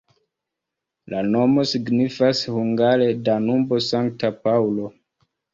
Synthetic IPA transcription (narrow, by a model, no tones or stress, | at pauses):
lano̞mo̞siɡnifashuŋɡaɾe̞danumbo̞saŋktapaulo̞